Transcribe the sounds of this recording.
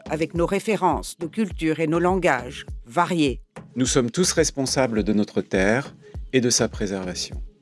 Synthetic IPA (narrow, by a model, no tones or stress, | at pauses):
avɛknoʁefeʁɑ̃snokʲylt̪yːʁenolɑ̃ɡaʒvaʁjenusɔmt̪usʁɛspɔ̃sabləd̪ənɔt̪χət̪ɛːʁed̪əsapχezɛʁvasjɔ̃